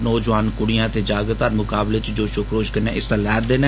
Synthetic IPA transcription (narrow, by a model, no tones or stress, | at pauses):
nɔːd͡ʒʋaːnkʊɽijãːt̪eːd͡ʒaːɡt̪aːɾmʊkaːblet͡ʃd͡ʒoːʃʊkʰɾoːʃkənɛ̃ːʔɪst̪ãːlɛːɾd̪eːnẽː